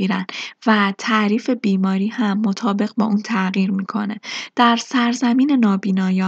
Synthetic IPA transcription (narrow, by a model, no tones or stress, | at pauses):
iɾænvæt̪ʰæɾiːfe̞biːmɒːɾiːhæmːo̞t̪ʰɒːbe̞ɣbɒ̰ːʔuːnt̪ʰæɣiːɾmiːkʰo̞̰ne̞d̪̥æɾsæɾzæmiːne̞nɒːbiːnɒːjɒː